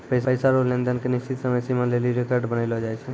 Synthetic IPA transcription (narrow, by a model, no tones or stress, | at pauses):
pəjsəjsaɾolẽnd̪ənkeniʃt͡ʃit̪səməjsimə̃leliɾekəɾɖbənəɪlɦɔd͡ʒaɛt͡ʃʰɛ